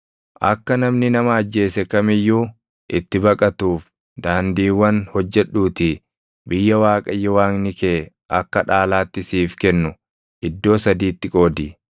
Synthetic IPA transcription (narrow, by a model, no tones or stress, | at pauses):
ʔɐkːɐnɐmnɪnɐmɐːd͡ʒːe̞ːsɛkɐmɪjːuː | ʔɪt̪ːɪbɐkʼɐt̪uːf | d̪aːnd̪iːwːɐnhɔd͡ʒːɛᶑuːt̪ɪ | bɪjːɐwaːkʼɐjːɛwaːŋnɪkeː | ʔɐ̰kːɐᶑaːlaːt̪ːɪsiːfkɛnːʊ | ʔɪd̪ːo̞ːsɐd̪iːt̪ːɪkʼo̞ːd̪i